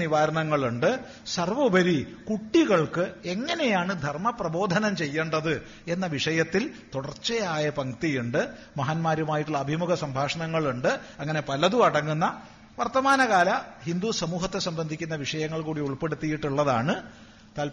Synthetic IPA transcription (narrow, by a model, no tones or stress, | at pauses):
niʋaːɾɐɳɐŋːɐɭuɳɖɨ | sɐrʋɐbʱɐɾikuʈːiɣɐɭkɨe̞ŋːɐne̞jaːɳɨd̪ʱɐrmɐprɐbo̞ːd̪ʱɐnɐmt͡ɕe̞jːeːɳɖɐðɨ | e̞nːɐʋiʂɐjɐt̪ːilt̪uɽɐrt͡ɕːejaːjɐpɐŋt̪ijuɳɖɨ | mɐɦaːnmaːɾumaːjiʈːuɭɐɐbʱimuɡʱɐsɐmbʱaːʂɐɳɐŋːɐɭuɳɖɨɐŋːɐne̞pɐlɐðuɐɽɐŋːunːɐ | ʋɐrt̪ɐmaːnɐɣaːlɐhind̪usɐmuːɦɐt̪ːe̞sɐmbɐnd̪ʱikʲːunːɐʋiʂɐjɐŋːɐɭkuːɽiuɭpe̞ɽut̪ːijiʈːuɭːɐðaːɳɨ | t̪ɐl